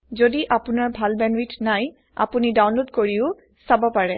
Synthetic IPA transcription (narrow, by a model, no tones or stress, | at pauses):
zodiʔapʊnaɹbʱalbɛnwitʰnaj | a̰punidawnlodkoɹiʊ | sabɔpaɹɛ